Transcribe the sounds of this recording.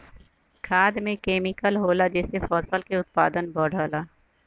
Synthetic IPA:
kʰaːd̪mẽkeːmɪkəlɦoːlad͡ʒɛːsefɔːsəlkeʊt̪̚pa̰ːd̪ənbɔːɽ̤aːlaː

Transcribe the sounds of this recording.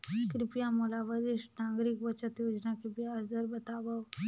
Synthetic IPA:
kɾɪpijamolaʋəɾɪʃʈnãɡɾikʋət͡ʃət̪jod͡ʒnakɾɪpijaəsd̪əɾbət̪aʋa

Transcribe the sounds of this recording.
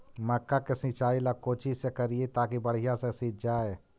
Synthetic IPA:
məkːakesɪ̃t͡ʃaːilakoːt͡ʃisekəɾiet̪aːkibəɽ̤ijãsesĩt̚d͡ʒaːe

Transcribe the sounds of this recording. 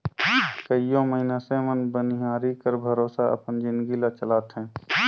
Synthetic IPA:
kəijõməɦinãsemənbəniɦaːɾikəɾbʱəɾoːsaə̰pənd͡ʒɪ̃nd̪ɡilat͡ʃəlaːt̪ɦɛ̃ː

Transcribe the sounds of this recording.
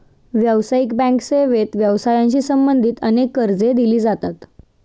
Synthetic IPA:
ʋjəʋsaikbæ̃ŋkseʋet̪ʋjəʋsajãɲt͡ɕiːsəmbənd̪ʱiːt̪ənekːəɾd͡zed̪iliːd͡zat̪at̪

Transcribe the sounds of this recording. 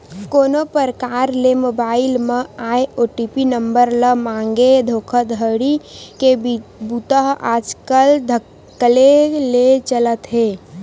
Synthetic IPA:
koːnopəɾəkaːɾlemobaːɪlmẽaːeoːʈipinəmbəɾləmãːŋɡed̪ʱoːkʰəd̪ʱɦəɽikebut̪əɦa̰ːd͡ʒkəld̪ʱə | əlelet͡ʃələt̪ɦeː

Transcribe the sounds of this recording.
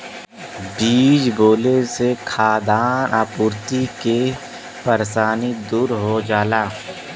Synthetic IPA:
biːd͡ʒboːlesekʰaːd̪aːnʔaːpuːɾt̪ike | pəɾsaːnid̪uːɾɦod͡ʒaːlaː

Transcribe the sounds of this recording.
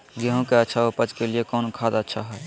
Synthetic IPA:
ɡeɦõkeətːʃʰaopət͡ʃkeliekɔːnkʰad̪aətːʃʰaɦɛɛ

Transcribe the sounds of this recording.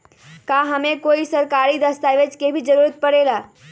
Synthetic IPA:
kaɦəmẽkoːisəɾkaːɾid̪əst̪aʋet͡ʃkebʱid͡ʒəɾuɾət̪̚pəɽelaː

